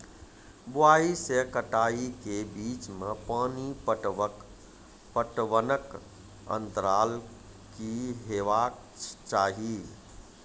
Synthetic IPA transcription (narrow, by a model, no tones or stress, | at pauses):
buaisekəʈaikebit͡ʃmepaːnipəʈ | pəʈʋənək | ə̰nt̪əɾal | kiɦeʋakʰ | t͡ʃaɦi